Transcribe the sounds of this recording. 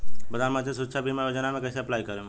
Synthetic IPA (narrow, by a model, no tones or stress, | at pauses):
bɐd̪aːnmad͡ʒes̬ʊɾət̪ʃʰabʱimɛ̃joːd͡ʒənamẽkɛːseɐplaːikɐɾẽ